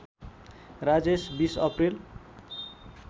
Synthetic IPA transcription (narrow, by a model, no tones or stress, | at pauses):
rad͡zesbisʌpril